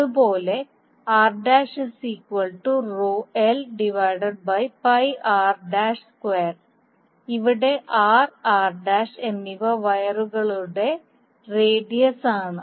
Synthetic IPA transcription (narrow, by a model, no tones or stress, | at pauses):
ubo̞ːle̞ | aːrɖaːʂɨsiːkwɐlʈuruːelɖiʋɐjɖɐɖ̚bɐjpɐjaːrɖaːʂskweːr | iʋiɽe̞ʔaːraːrɖaːʂenːiʋɐʋɐjɐruɣɐɭuɽe̞ | reːɖijɐsaːɳɨ